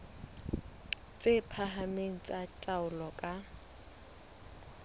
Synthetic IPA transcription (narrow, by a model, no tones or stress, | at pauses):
t͡sʼepʰaɦameŋ̩t͡sʼatʼaʊlɔkʼa